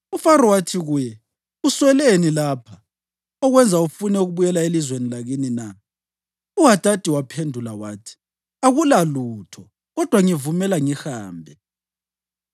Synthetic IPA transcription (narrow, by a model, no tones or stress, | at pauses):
ufaɾɔwatʰiɣuːjɛ | uswɛlenilaːpʰa | ɔɣwɛnd͡zʱaufunɛuɣuβujɛlaelizwenilaɣinina | uɣatʼatʼiwapʰendʱulawaːtʰi̥ | aɣulaluːtʰɔ | ɣɔd̥ʱwaŋivumɛlaŋixaːmbʱɛ